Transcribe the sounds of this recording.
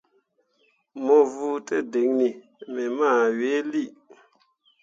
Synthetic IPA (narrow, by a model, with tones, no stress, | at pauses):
mo˨vu˦te˦˨de˨˦ŋni˨ | me˨ma˦˨we˨˦li˦˨